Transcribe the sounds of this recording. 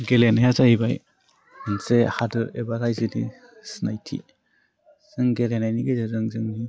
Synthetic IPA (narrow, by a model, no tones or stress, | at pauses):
ɡelenajazaibaj | mansehadɯɾebaɾajzinḭ | snajtʰḭ | z̥ɯŋɡelenajniɡezɯɾɯŋzɯŋni